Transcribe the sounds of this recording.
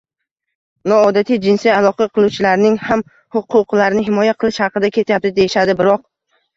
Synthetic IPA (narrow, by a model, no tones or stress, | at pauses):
nɒːd̪at̪ʰijd͡ʒɪnsijalˠɒqɑqʰɨlˠut͡ʃʰɪlaɾnɪŋham | hʊqʰːʊqlaɾɪnɪɦɪmɒjaqʰɨlˠɪʃhɑqɨd̪akʲʰe̞t̪ʰajap̚t̪ɪd̪e̞jɪʃad̪ɪbɪɾɒq̚